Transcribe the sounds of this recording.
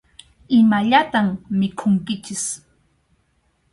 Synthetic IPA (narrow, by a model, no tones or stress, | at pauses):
ɪmaʎat̪ammɪkʰʊŋkɪt͡ʃɪs